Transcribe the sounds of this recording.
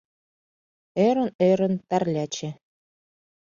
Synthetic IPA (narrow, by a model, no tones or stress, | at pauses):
øɾɘ̆nøɾə̆nt̪ærlʲæt͡ɕĕ